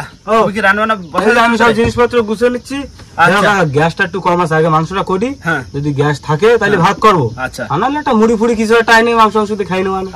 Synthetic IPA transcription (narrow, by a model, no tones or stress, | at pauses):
okiɾananaeamisɔbd͡ʒinispat̪ɾɔɡusenit͡ʃʰi | eɾɔ̃aɡasʈaʈukɔɾmasaɡamanusɔʈakoɖĩd͡ʒɔd̪iɡast̪ʰaket̪alibʱat̪̚kɔɾboat͡ʃʰaanalaʈamuɽipʰuɽikis̬baʈajneamisɔ̃ŋs̬ɔkd̪ekʰajnɔwan